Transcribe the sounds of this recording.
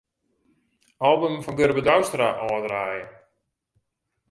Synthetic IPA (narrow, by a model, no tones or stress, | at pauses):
ɔlˠbəmfɔnɡøɾbədawstraʔɔːdraːjə